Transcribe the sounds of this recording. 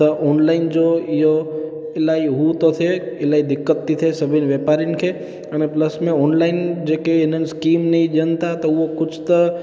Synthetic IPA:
əʔonlaɪnd͡ʒoijo | elaiɦut̪ot̪ʰeelaid̪ɪkːət̪ːit̪ʰesəbʱinʋepaɾinkʰe | ənepləsmẽɔnlaɪnd͡ʒekeenənskimnəĩd͡ʒənt̪at̪ouokʊt͡ʃʰt̪ə

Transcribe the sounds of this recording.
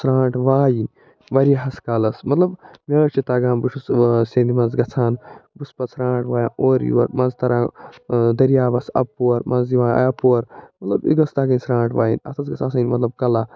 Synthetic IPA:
sɾaːɳʈʋaːjin | ʋɐɾijɦɐskalɐsmɐt̪lɐbmʲeːɾt͡ʃit̪aːɡãːnbuʂusseːnd̪imɐnzɡɐt͡sʰaːnbuspɐt͡sɾãːʈʋaːjaoːɾjṵwɐ̰ɾmɐnzt̪ɐɾãːd̪ɐɾjaːbɐsɐ̰pːuɐɾmɐziʋa̰ːɐpuɐɾmɐt̪lɐbḭɡɐst̪aːɡɐnʲsɾãːɳʈʋaːjḭnʲɐ̰t̪ʰɐt͡sɡɐt͡sʰaːsɐnʲmɐt̪lɐb̚kɐlaː

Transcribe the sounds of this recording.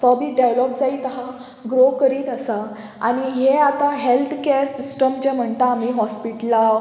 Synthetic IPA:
t̪ɔbʱiːɖeʋlɔp̚d͡zaiːt̪ɦa | ɡɾokəɾiːt̪əsa | aɽ̃iɦeat̪aɦelt̪ʰkeɾsisʈəmd͡ʑem̤əɳt̪aːmiːɦɔspiʈla

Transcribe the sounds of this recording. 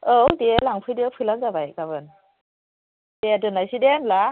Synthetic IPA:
odelaŋpʰɯjdiawpʰɯlaŋzabajɡaβɯn | dedɯnajsidemla

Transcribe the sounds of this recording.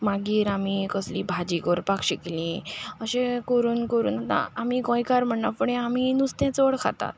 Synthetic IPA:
maɡiːɾamikəsliːbʱad͡ʑikəɾpakɕiklĩəɕẽkoɾuːnkəɾṵːnat̪a̰amikɔ̃jikaɾm̤əɳːapəɽ̃ẽaminust̪jãt͡səɭkʰa̰t̪a̰t̪̚

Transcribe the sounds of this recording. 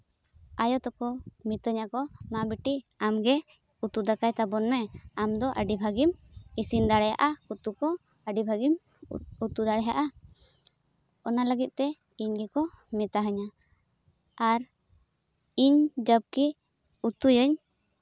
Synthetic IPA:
ajɔt̪ɔkɔmit̪əɲakɔmabiʈiamɡɛ | ut̪ud̪akajt̪abɔnmɛamd̪ɔʔəɖibʱaɡimisind̪aɽɛja̰ʔaut̪ukɔ | əɖibʱaɡim | ut̪ud̪aɽɛɦaʔa | ɔnaləɡit̪̚ˀt̪ɛ | iɲɡɛkɔ | mɛt̪aɦəɲa | aɾ | iɲd͡ʒəb̚ki | ut̪ujəɲ

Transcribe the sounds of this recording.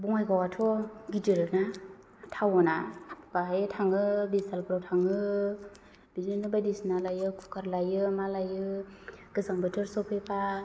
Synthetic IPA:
buŋajɡawatʰɔɡidɯɾɯna | tʰawɔnabaɦajtʰaŋɯbisalpɾawtʰaŋɯ | binɯnɯbadisnalajɯkʰukʰaɾlajɯmalajɯɡ̥ɯsaŋbɯtʰɯɾsɔpʰepʰa

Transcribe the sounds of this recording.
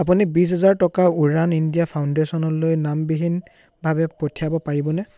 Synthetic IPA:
apunibis̬ɦɛzaɹtɔkauɹanindijapʰaʊndesɔnɔlojnambiɦin | bʱabɛpotʰiabɔpaɹibɔnɛ

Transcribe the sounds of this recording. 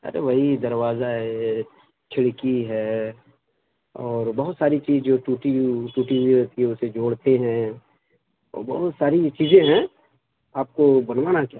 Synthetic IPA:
ɐ̰ɾḛʋɐɦid̪ɐɾʋaːzaɦɛ | t͡ʃʰɪɽkiɦɛː | ɔːɾbɐɦʊt̪saːɾit͡ʃiːzd͡ʒoːʈuːʈiʈuːʈiɦuiɦɐt̪iɦɛ̃ʊsed͡ʒoːɽt̪eɦɛ̃ | ɔ̰ːɾbɐɦʊt̪saːɾit͡ʃiːzẽɦɛ̃ | aːp̚kobɐnʋaːnakjaː

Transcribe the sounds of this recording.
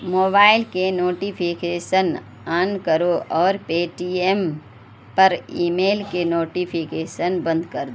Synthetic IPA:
moːbaːɪlkenoːʈipʰikeːʃən | ankəɾoʔɔːɾpeːʈiem | pɐɾiːmeːlkenoːʈipʰikeːʃənbə̃nd̪kəɾd̪o

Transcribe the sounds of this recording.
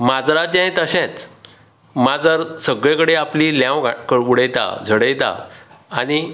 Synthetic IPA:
mad͡zɾat͡ɕãẽt̪əɕɛ̃t͡s | mad͡zəɾsəɡɭẽkəɽeapliljãwɡakəuɽəjt̪a̰d͡zʱəɽəjt̪a̰añi

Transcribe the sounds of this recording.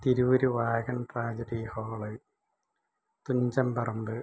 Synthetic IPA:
t̪iɾuʋoɾuʋaːɣɐnʈraːd͡ʑɐɖihoːɭɨ | t̪uɲd͡ʑɐmpɐrɐmbɨ

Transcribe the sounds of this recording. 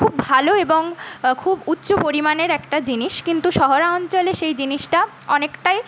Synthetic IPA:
kʰubbʱaloeboŋkʰubutːɕopoɾimaneɾɛkʈad͡ʑiniʃkint̪uʃɔɦoɾaɔnt͡ɕoleʃejd͡ʑiniʃʈa | ɔnekʈaj

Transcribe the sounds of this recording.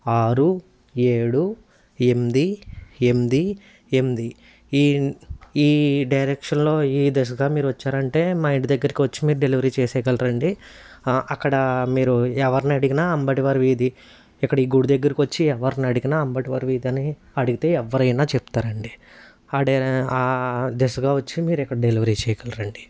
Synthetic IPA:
aːɾu | e̞ːɽu | emd̪ie̞md̪i | e̞md̪i | iː | iːɖɐjɾekʂɐnlo̞ːiːd̪es̬ɡaːmiːɾuʋɐt͡ʃːaːɾɐɳʈe̞ːmɐjiɳʈd̪ɐɡːɐɾikiʋɐt͡ʃːi̥miːɾuɖe̞liʋɐɾiːt͡ʃɛːsɛːɡɐlɐɾɐɳɖi | ɐkːɐɽɐmiːɾuɛʋɐɾniɐɽiɡinaːɐmbɐʈiʋɐɾʋiːd̪i | ɛkːɐɽɐiːɡuɽud̪ɐɡːɐɾikʋɐt͡ʃːiɛʋɐɾniɐɽuɡinaːɐmbɐʈiʋɐɾʋiːd̪iɐni | ɐɽuɡit̪e̞ːɛʋːɐɾɐjnaːt͡ʃep̚t̪aːɾɐɳɖi | aːɖeaːd̪esɡaːʋɐt͡ʃːimiːɾɛkːɐɽɐɖeliʋɐɾiːt͡ʃɛːjɐɡɐlɐɾɐɳɖi̥

